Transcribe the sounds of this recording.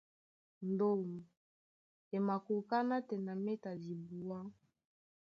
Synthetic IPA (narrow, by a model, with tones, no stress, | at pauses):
n˨do˦mu˨ | e˨ma˨ku˨ka˦na˦tɛ˨na˨me˦ta˨di˨bu˨wa˦